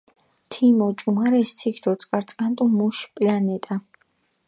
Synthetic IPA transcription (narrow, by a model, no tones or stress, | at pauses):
t̪ʰimɔt͡ʃʼumaɾɛst̪ʰikʰd̪ʰɔt̪sʼqʼaɾt̪sʼkʼant̪ʼumuʃpʼlanɛt̪ʼa